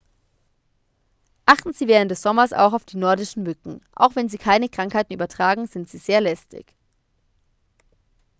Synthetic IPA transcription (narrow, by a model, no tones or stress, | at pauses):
ʔaχtn̩ziːvɛːʁəntd̥ɛsz̥ɔmɐsa̰ʊxaʊfd̥iːnɔɐdɪʃn̩mʏkŋ̩ʔa̰ʊxv̥ɛnziːkʰaɪnəkʁ̥aŋkhaɪtn̩ʔyːbɐtʁ̥aːɡŋ̩z̥ɪntz̥iːzeːɐlɛstɪ̰ç